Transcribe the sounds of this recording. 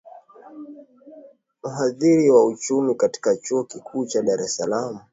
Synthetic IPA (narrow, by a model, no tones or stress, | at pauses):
m̩ɦaðiɾiwaut͡ʃumikati̥kat͡ʃuɔkikʰuːt͡ʃaɗaɾɛsalamu